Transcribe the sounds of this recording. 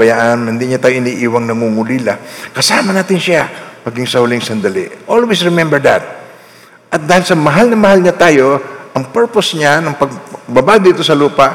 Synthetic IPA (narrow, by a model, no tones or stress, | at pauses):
bɐjaʔɐnhɪnd̪iɲat̪aːjoʔɪniːʔiːwɐŋnɐŋuːŋʊlilakɐsaːmɐnaːt̪ɪnʃamɐɡiŋsɐhʊlɪŋsɐnd̪ɐlɪ̰ʔʔolwisɹɛmɛmbɛɹd̪at̪̚ | ʔɐt̪̚d̪aːhɪlsɐmɐɦalnɐmɐhalɲat̪aːjo̞ʔɐŋpɛɹposɲanɐŋpɐɡ̚bɐbad̪iːt̪o̞sɐluːpɐʔ